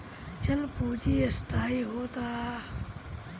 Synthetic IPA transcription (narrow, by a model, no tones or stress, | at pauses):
t͡ʃɐlpuːd͡ʒiːɐst̪ʰaːiːɦoːt̪aː